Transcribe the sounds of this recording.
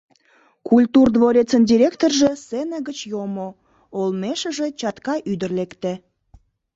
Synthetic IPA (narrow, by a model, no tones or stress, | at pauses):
kulʲt̪urd̪voɾʲet͡səndʲiɾʲekt̪orʒesenəɣət͡ɕjomo | olmeʃə̆ʒet͡ɕɑt̪kɑʔyd̪ərlekt̪e